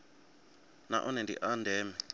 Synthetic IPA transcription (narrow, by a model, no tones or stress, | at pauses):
na̰ʔɔnɛndḭʔandɛːmɛ